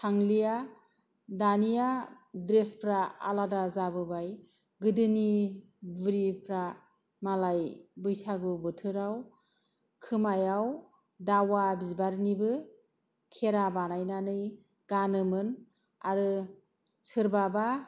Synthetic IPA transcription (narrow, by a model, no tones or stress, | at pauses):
tʰaŋlija | danijadɾespʰɾaa̰ladazaβɯbaj | ɡɯdɯni | bɯɾipʰɾa | malajbɯjsaɡɯbɯtʰɯɾaw | kʰɯmajaw | dawabizbaɾnibɯ | kʰeɾabanajnanɯj | ɡ̥anɯmɯn | aɾɯ | sʰɯɾbaba